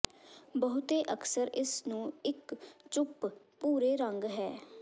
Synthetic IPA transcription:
bəɦʊt̪eːʔəksəɾɪsnũːɪkt͡ʃʊp | puːɾeːɾəŋɡɦɛː

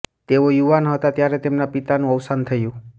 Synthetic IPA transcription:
t̪eojuʋanɦət̪at̪jaɾet̪emnapit̪anũəwsant̪ʰəjũ

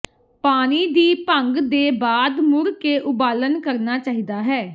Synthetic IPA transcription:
paːniːd̪iːpəŋɡd̪eːbaːd̪mʊɾkeːʔʊbaːlənkəɾnaːt͡ʃaːɦiːd̪aːɦɛː

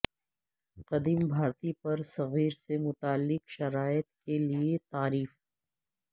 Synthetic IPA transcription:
qɐd̪iːmbʱaːɾt̪ipɐɾsɐɣiːɾsemʊt̪aːlːɪqʃɐɾaːjət̪keliet̪aːɾiːf

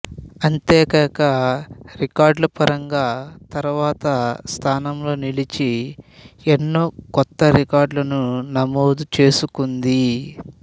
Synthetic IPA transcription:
ɐnt̪ɛːkɐkɐɾikaːɾɖlɐpɐɾɐŋɡaːt̪ɐɾuʋaːt̪ɐst̪ʰaːnɐmlo̞ːnilit͡ʃi | enːo̞ːkɔt̪ːɐɾikaːɾɖlɐnunɐmoːd̪ut͡ʃe̞ːsukund̪i

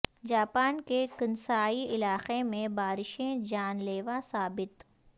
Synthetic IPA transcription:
d͡ʒaːpaːnkekɐnsaːiɪlaːqemẽbaːɾɪʃẽd͡ʒaːnleːʋasaːbɪt̪

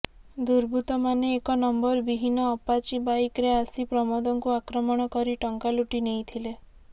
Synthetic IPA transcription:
d̪uɾbʱut̪ɔmaneːkɔnɔmbɔɾbiɦinɔːpat͡ʃibajkɾeasipɾɔmɔd̪ɔŋkuakɾɔmɔɽ̃ɔkɔɾiʈɔŋkaluʈinejt̪ʰile

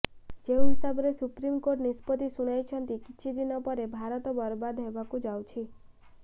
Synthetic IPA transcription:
d͡ʒeoɦisabɾesupɾimkoʈnispət̪isuɽ̃ajt͡ʃʰənt̪ikiːʃʰid̪inɔpəɾebʱaɾɔt̪ɔbəɾbad̪ɦebakũd͡ʒawt͡ʃʰi

